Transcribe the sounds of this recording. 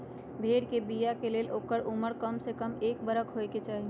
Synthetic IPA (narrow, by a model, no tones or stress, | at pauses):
bʱeːɽkebijakeleːlʔoːkəɽʊməɾkəmsekəmeːkbəɾəkɦoeket͡ʃaːɦi